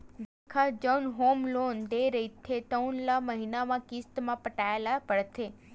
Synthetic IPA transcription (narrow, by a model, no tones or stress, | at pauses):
d̪akʰad͡ʒənɦomlond̪eɾəit̪ʰet̪əwnlaməɦinamãkist̪mãpəʈaelapəɭt̪ʰe